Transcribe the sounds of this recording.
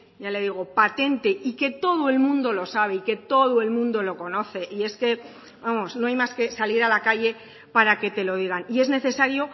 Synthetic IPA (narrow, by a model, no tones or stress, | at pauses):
ʝale̞ðiɣo̞pat̪e̞nt̪e̞ike̞t̪o̞ð̞oe̞lmũnd̪o̞lo̞saβ̞e̞ike̞t̪o̞ðoe̞lmũnd̪o̞lo̞ko̞no̞θe̞ʔie̞ske̞ | bamo̞sno̞ajmaske̞saliɾalakaʝe̞ | paɾake̞t̪e̞lo̞ð̞iɣ̞anie̞zne̞θe̞saɾjo̞